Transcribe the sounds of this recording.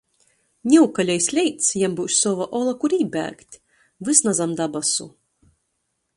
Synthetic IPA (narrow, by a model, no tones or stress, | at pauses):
nʲɛukalʲajsʲlʲɛjt̪sjambuwʃsɔvaʔɔlˠakuɾʲiːbʲæ̰ːkt̪ʲ | vɨsnazamd̪abasṵ